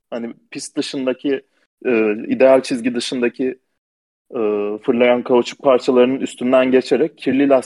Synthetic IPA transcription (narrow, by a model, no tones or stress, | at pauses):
hanipʰist̪̚d̪ɯʃɯnd̪acʰiː | id̪ealʲt͡ʃʰizɟid̪ɯʃɯnd̪acʰi | fɯɾlˠajankʰaut͡ʃʰu̥k̚pʰaɾt͡ʃʰalˠaɾɯnɯnyst̪ʰynd̪ænɟe̞t͡ʃʰeɾɛc̚ʰːiɾlʲilʲas